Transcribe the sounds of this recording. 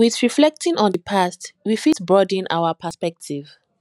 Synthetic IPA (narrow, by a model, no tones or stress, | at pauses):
wiθɹiflɛk̚tʰĩŋɔ̃nðəpʰastwifisbɹɔdĩna̰wapʰəspɛk̚tʰiv